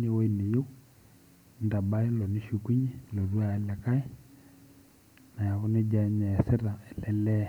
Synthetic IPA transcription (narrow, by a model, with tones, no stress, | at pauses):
ne˦wɔ˦i˨ne˨jo˦ | nda˨ba˦ɛ˦lɔ˨ni˦ʃu˨ku˦ɲɛ˦lɔ˨ru˦a˦ɛ˦lɛ˨ka˦ɛ˦ | na˨ja˨kɔ˦ne˦d͡ʒa˨˦ɲa˨ɛ˨sɛ˦ɾa˨ɛ˨lɛ˦lɛ˦